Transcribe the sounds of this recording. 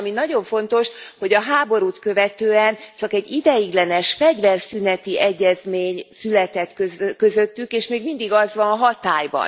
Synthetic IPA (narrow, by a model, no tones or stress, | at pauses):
minɒɟo̞ɱfo̞n̪t̪o̞ʃho̞ɟɒɦaːbo̞ɾuːt̪køvɛt̪øːɛnt͡ʃɒkɛɟid̪ɛjiɡlɛnɛʃfɛɟvɛrsynɛt̪iʔɛɟːɛzmeːɲsylɛt̪ɛt̪køkøzø̞t̪ːykeːʃmeːɡmind̪iɡɒzʋɒnɒɦɒt̪aːjbɒ̰n